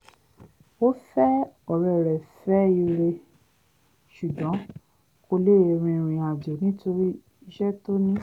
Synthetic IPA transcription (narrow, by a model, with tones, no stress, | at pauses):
o˦fɛ˦ɔ˨ɾɛ˨ɾɛ˨fɛ˦i˧ɾe˧ | ʃu˨ɡɔ̃˨˦ | ko˧le˦e˧˨ɾ̃ĩ˧˨ɾ̃ĩ˧a˨do˨nĩ˦to˧ɾi˦ | ʃɛ˦to˦nĩ˦